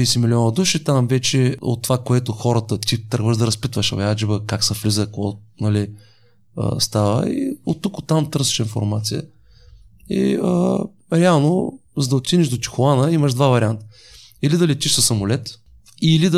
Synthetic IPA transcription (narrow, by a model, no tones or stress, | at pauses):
isimilʲiɔnəd̪uʃit̪amvɛt͡ʃɛo̰t̪ːovakoɛt̪ʊxɔɾət̪ət̪it̪ɾɡvəʒd̪ɐɾɐspit̪vəʃɐ̰vad͡ʒibəkaksɐflizəkɔnɐli | ə̰st̪avə̰ḭot̪ːukot̪ːamt̪ɤɾsɛ̥ʃinfo̰ɾmat̪sijə̰ | ḭ | ɾɛalˠnozəd̪ɐott̪ʲːiniʒd̪ot̪i̥xʊlˠanəiməʃd̪vavɐɾʲiant̪ə̥ | ilid̪ɐlɛt̪iʃsəsːɐmʊlɛt̪ | ilid̪